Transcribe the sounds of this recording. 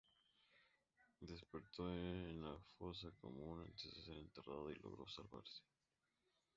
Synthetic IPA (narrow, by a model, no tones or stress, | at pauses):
d̪e̞spe̞ɾt̪onafoɾsako̰munent̪ezdeseɾent̪eraðoilo̞̰ɣɾo̞̰salβa̰ɾse̥